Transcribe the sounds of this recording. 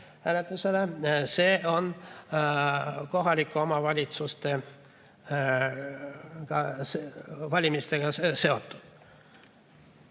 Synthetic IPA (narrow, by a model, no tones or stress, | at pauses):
hæːlet̪ːˑuseleseːo̞n | ko̞ɦɑlʲikːˑuomɑvɑlʲit̪sust̪e̞ | kɑsvɑlʲimist̪e̞ɡ̥ɑse̞o̞t̪ːˑud̪̥